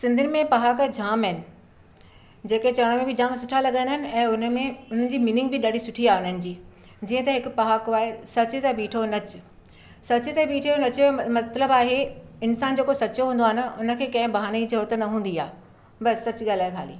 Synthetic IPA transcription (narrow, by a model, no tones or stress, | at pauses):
sɪ̃nd̪ʱɪnɪ̆mẽpɐɦakd͡ʑʱaːmɪnɪ̆ | d͡ʑeːket͡ɕɐɽ̃omẽbɪd͡ʑʱaːmsʊʈʰalɐɠə̃nd̪əɦɪnɪ̆ɛ̃ːʊnmẽʊn̤ənɪ̆d͡ʑiːmiːnɪ̃ŋɡ̚bɪɗaːɽisʊʈʰiaːɦeʊnənɪ̆d͡ʑiːd͡ʑiːə̃t̪ɐɦɪkʊpɐɦakaːɦesɐt͡ɕɪt̪ɐɓiːʈʰonɐt͡ɕɪ̥ | sɐt͡ɕɪt̪ɐɓiːʈʰijonɐt͡ɕmɐt̪ləbaːɦeɪnsaːnd͡ʑeːkosɐt͡ɕoɦũːnd̪oːɦɪnɪ̆ʊnə̆kʰeːkɐ̃ɦɪ̃bɐɦaːneid͡ʑɐɾoːt̪ənɐɦũːn̆d̪ia̰ː | bɐsːɐt͡ɕɪɠaːlaːekʰa̰ːlḭː